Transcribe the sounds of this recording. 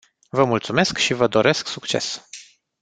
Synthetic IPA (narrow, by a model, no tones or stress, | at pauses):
vəmult̪sume̞skʃivəd̪o̞ɾe̞sksukt͡ʃe̞̰s